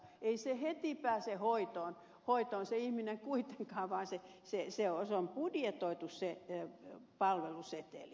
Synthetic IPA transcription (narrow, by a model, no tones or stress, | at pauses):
eisehet̪ipæːsehoit̪oːn | hoit̪oːnseihmineŋkuit̪eŋkɑːʋɑːnse | seseosompudjet̪oit̪usse | pɑlʋeluset̪ḛˑli